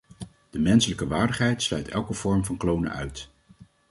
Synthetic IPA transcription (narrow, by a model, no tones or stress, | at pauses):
d̥əmɛnsələkəʋaːɹdəχɦɛjtslœɥtɛ̰lˠkəv̥ɔɹmvɑnklownə̰ʔœɥt